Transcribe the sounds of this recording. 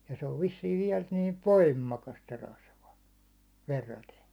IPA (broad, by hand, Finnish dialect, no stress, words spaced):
jɑ se oʋ ʋisːiːʋ ʋiɛl niːʋ ʋoimːɑkɑst se rɑsʋɑ ʋerːɑten